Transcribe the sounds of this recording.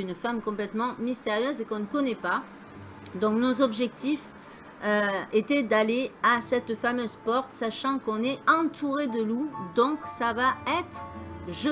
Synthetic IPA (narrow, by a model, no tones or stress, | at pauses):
ynfamkɔ̃plɛt̪mɑ̃mist̪eʁjøzekɔ̃nəkɔnɛpa | d̪ɔ̃knozɔbʒɛk̚t̪if | øet̪ɛd̪aleasɛt̪famøzpɔʁt̪saʃɑ̃kɔ̃nɛɑ̃t̪ʰuʁed̪əlud̪ɔ̃ksavaɛt̪χʒə